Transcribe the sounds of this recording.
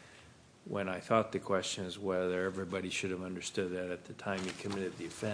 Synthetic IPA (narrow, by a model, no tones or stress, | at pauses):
wə̰̃naɪθɔt̪̚ðɨkʰw̥ɛst͡ʃɨ̃nɨzwɛðə˞ɛvɹibɑɾiʃʊɾɨvʌ̃ndə˞stʊd̪̚ðɨɾɨt̪̚ðɨtʰãɪ̃mikʰɨmɪɾɨd̪̚ðiɨfɛ̃